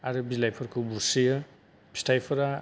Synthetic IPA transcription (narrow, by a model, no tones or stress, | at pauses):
aɾɯbilajpʰɔɾkʰɯbuɾsijɯ | pʰi̥stʰajpʰɔɾa